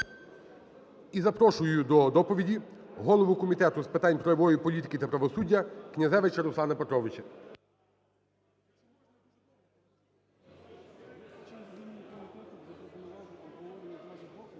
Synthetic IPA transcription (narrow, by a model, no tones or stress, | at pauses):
izɐpɾɔʃʊjʊd̪ɔd̪ɔpɔʋʲidʲiɦɔlˠɔʋʊkɔmʲit̪ɛt̪ʊspɪt̪ɑnʲpɾɔjɐʋɔjipɔlʲit̪ɪ̥kʲit̪ɐpɾɐʋɔsudʲːɐknʲɐzɛʋɪt͡ʃɐɾʊsˠɑnɐpet̪ɾɔʋɪt͡ʃɐ